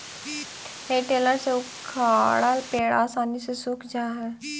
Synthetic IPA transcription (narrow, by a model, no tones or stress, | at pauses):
heʈelaseu | kʰːaːɽalpeːɽaːsaːnisesukʰd͡ʒʱaːɦɛ